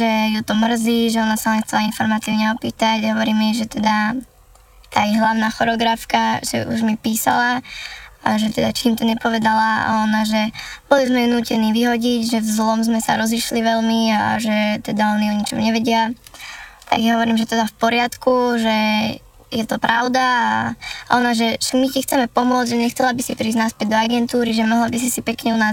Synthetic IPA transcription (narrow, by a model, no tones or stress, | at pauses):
ʒɛjut̪ɔmr̩ziːʒɛɔnasalɛinxt͡sɛlainfɔɾmaːt͡siɛɲɛɔpiːt̪aɟɦɔʋɔɾiːmɛʒɛt̪ɛd̪a | t̪aːjɛɦlaʊnaːxɔɾɔɡɾafkaʒɛ̰ʔṵʒmipiːsa̰la | aʒɛt̪ɛd̪at͡ʃiːmt̪ɔɲɛpɔʋɛd̪ala̰ɔnaʒɛb̥ɔlizmɛunuːcɛniːʋiɦɔɟiɟʒɛvzlɔmzmɛsa̰ɾɔziʃliʋɛlmia̰ʒɛt̪ɛd̪aɔniɔɲit͡ʃɔ̰mʊɲɛʋɛɟɪa | t̪a̰ɡjaɦɔʋɔɾiːmʒɛt̪ɛd̪afpɔɾɪat̪kuʒɛ | jɛt̪ɔpɾʔaʊd̪aaʔɔ̰naʒɛʒɛmicixt͡sɛmɛpɔmʊɔd͡zʒɛɲɛxt͡sɛlabisipɾiːznaspɛɟd̪ɔaɡɛnt̪uːɾiʒɛmɔɦlabis̬isipɛkɲɛuna